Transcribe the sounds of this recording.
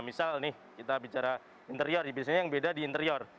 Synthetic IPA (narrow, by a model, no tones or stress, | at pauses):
misalnɪh | kit̪abit͡ʃaɾa | int̪əɾiɔrjabisaɲajaŋbedadiːnt̪əɾiɔr